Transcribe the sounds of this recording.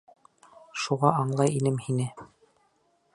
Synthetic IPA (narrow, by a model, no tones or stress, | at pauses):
ʃuʁɑɑɴlˠɑjinɘmhinɘ